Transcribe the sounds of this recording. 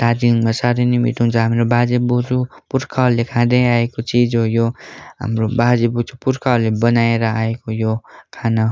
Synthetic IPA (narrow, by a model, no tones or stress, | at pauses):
t̪ad̪iŋmasaɾenimḭt̪uŋt͡sʰʌɦamɾobad͡zebod͡zupurkʰʌlekʰãd̪ʌjaekot͡sid͡zojoɦa̰mrobad͡zebut͡supurkʰʌlebʌnaeɾʌaekojokʰanʌ